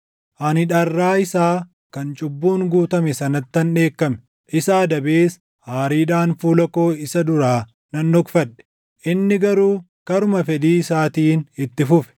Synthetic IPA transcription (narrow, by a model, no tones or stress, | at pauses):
ʔɐnɪᶑɐrːaːɪsaː | kɐnt͡ʃʼʊbːuːŋɡuːt̪ɐmɛsɐnɐt̪ːɐnᶑe̞ːkːɐmɛ | ʔɪsaːd̪ɐbeːs | haːɾiːᶑaːnfuːlɐko̞ːɪsɐd̪ʊɾaː | nɐnːɔkfɐᶑɛ̥ | ʔɪnːɪɡɐɾuː | kɐɾʊmɐfɛd̪iːɪsaːt̪iːnɪt̪ːɪfʊfɛ̥